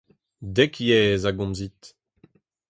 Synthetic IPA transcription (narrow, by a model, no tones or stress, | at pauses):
dɛkjɛːzaɡɔ̃mzit̪